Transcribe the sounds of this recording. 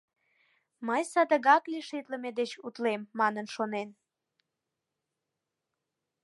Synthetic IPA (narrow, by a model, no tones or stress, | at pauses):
məjsɑd̪əɣɑkliʃit̪ləmed̪et͡ɕut̪lemːɑnənʃonen